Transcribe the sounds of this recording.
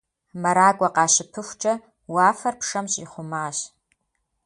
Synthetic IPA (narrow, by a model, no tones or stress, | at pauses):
mɐɾaːkʷʼɐqɑːɕɪpʰɨxʷʈ͡ʂʼɐ | waːfɐrpʂɐmɕʼiχʷʊmaːɕ